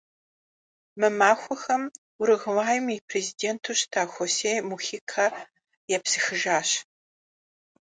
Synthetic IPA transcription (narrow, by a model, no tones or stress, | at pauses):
mɨmaːxʷɔxɐm | ʊɾɨɣɨwaːjɪmipʰrezideːntʰuːɕtʰaːxʷoseːjmuxiːkʰa | jɛpsɨxɨʒaːɕ